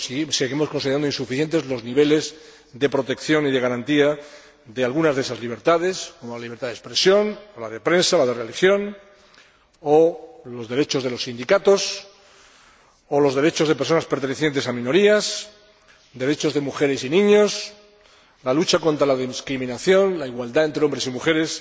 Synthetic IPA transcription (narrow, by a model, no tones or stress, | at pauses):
seɣimoskonsiðɾand̪onsufiθje̞nt̪e̞zlo̞zniβ̞e̞le̞z | ðe̞pɾo̞t̪e̞kθjo̞niðe̞ɣaɾant̪ia | ðealɣunazðe̞sazliβ̞e̞ɾt̪aðe̞sko̞mo̞laliβɾt̪aðespɾe̞sjo̞nolaðepɾe̞nsalaðe̞relixjo̞n | olo̞zðe̞ɾe̞t͡ʃo̞zð̞e̞lo̞sːind̪ikat̪o̞s | olo̞zðe̞ɾe̞t͡ʃo̞zð̞e̞peso̞naspeɾt̪e̞neθjent̪esamĩno̞ɾias | d̪e̞ɾe̞t͡ʃo̞zðe̞muxe̞ɾe̞sinĩɲos | lalut͡ʃako̞nt̪ɾalaðiskɾimĩnaθjo̞nlaiɣwald̪ae̞nt̪ɾeombɾe̞simuxe̞ɾe̞s